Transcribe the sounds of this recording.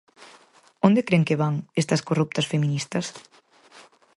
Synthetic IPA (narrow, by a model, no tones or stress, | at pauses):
õnd̪ekɾeŋkeβaŋest̪ɐskorup̚t̪ɐsfemĩnist̪ɐs